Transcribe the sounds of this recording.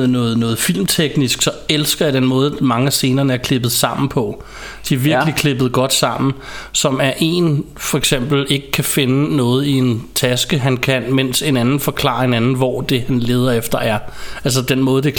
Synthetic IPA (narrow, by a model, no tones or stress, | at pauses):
nɔ̽ːð̩ˠnɔ̽ːð̞̩ˠfil̰mt͡sʰeɡ̥nisɡ̥sɒ̽elsɡ̥ɐjad̥ɾ̥enmɔ̽ːð̞ˠmɑ̈ŋəæse̝ːnɐːnəæɐkʰle̝b̥ð̞̩ˠsɑ̈m̰n̩pʰɒ̽ | d̥iæɐʋiɐɡ̥likʰle̝b̥əð̞̩ˠɡ̥ɒ̽d̥sɑ̈m̰n̩ | sɒ̽mæɐʔe̝ːn | fɒ̽eɡ̥sem̰b̥l̩e̝ɡ̥əkʰæfe̝nənɔ̽ːð̞̩ˠie̝nt͡sʰæsɡ̥əɦænkʰænmen̰se̝nænn̩fɒ̽kʰlɑ̈ːɐe̝nænn̩ʋɒd̥e̝hænle̝ːð̞ˠɐefd̥ɐʔæɐæls̬əd̥enmɔ̽ːð̞̩ˠd̥e̝